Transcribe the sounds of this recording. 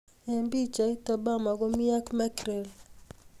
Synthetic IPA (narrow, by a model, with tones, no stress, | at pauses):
ɛ˨mbi˦t͡ʃa˨i˦ta˨ba˦ma˨ɡɔ˦mi˦a˦kmɛ˦kɾe˨l